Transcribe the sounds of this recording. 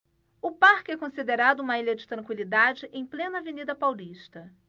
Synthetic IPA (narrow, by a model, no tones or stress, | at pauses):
ʊpaɾkɪɛkõsid̪eɾad̪ʊũmɐiʎʲɐd͡ʒɪt̪ɾɐ̃ŋkwilid̪ad͡ʒɪʔẽj̃plẽnɐvenid̪ɐpawliʃt̪ɐ